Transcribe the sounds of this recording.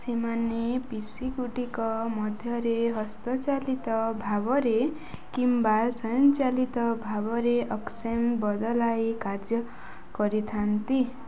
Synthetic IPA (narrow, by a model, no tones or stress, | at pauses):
semanepisiɡuʈikʌmʌd̪ʱjʌɾeɦʌst̪ʌt͡salit̪ʌbʱabʌɾe | kimbasʌjʌnt͡salit̪ʌbʱabʌɾeʔʌksembʌd̪ʌlajkard͡zʌ | kʌɾit̪ʰant̪i